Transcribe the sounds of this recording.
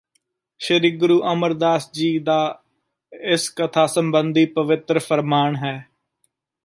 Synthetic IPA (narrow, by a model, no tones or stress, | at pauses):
ʃəɾiːɡɾuːʔəməɾd̪aːsd͡ʒiːd̪aː | ɪskət̪ʰaːsəmbənd̪ʱiːpəʋɪt̪ɾəfʰəɾmaːɳɦɛː